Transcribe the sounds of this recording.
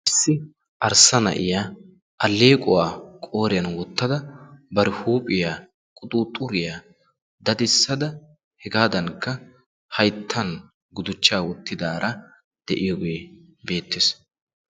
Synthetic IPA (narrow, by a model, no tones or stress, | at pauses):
ʔɪsːɪ | ʔɐɾsːɐnɐ̰ʔɪ̰jaː | ʔɐlːe̞ːkʼʊwaːkʼo̞ːɾɪjɐnwɔt̪ːɐd̪ɐbɐɾɪhuːpʼɪjaː | kʼʊt̪ʼuːt̪ʼʊɾɪjaː | d̪ɐd̪ɪsːɐd̪ɐ | hɛɡaːd̪ɐnkːɐ | hɐjt̪ʰːɐn | ɡʊd̪ʊt͡ʃːaːwɔt̪ːɪd̪aːɾʔɐ | d̪̥ɛʔɪjɔɡeː | be̞ːt̪ːɪs